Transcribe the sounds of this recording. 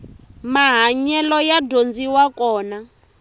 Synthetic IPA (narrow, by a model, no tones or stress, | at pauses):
maɦaɲɛlɔjadond͡ziwakɔːna